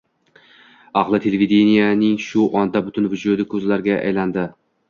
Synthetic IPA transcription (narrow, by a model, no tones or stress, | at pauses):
ɑʁlˠɪt̪ʰe̞levʲid̪enijanɪŋʃʊʔɒnd̪abʊt̪ʊnvʊd͡ʒʊd̪ɪkʰɵzlaɾɡʲaʔa̰jland̪ɪ